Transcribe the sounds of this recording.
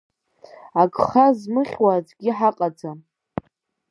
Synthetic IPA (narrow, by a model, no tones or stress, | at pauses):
akʼχazmɨχʲwad͡zɡʲiħaqʼad͡za